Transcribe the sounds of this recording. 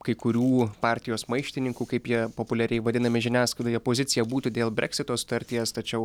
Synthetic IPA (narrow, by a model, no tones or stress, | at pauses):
kɐɪkʊɾʲuːpɑːɾʲt̪ʲɪjoːsmɐɪʃʲt̪ʲɪnʲɪŋkuːkɐɪpjiɛpoːpʊlʲɛɾʲɛɪʋɐd̪ʲɪnɐmʲɪʒʲɪnʲæːsklɐd̪ʲoːjɛpoːzʲɪt̪sʲɪjɛbuːt̪uːd̪ʲeːlˠbʲɾʲɛ̰kʲsʲɪt̪oːsʊ̥t̪ɐɾʲt̪ʲijɛst̪ɐt͡ʃʲɛʊ